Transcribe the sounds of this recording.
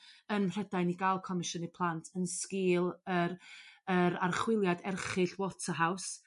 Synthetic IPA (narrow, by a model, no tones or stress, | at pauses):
ənr̥ɛdajniɡalˠkʰɔmɪʃənipʰlˠantʰənskɪːlˠəɾəɾarχwɪlˠjadɛrχɨɬwɔtʰaɦaws